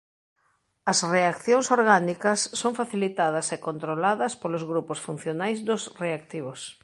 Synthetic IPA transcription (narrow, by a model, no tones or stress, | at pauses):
ɐsreakθjoŋsoɾɣanikɐsːoŋfaθilit̪að̞ɐsekont̪ɾolaðɐspolozɣɾuposfun̟θjonajzd̪ʊsreak̚t̪iβos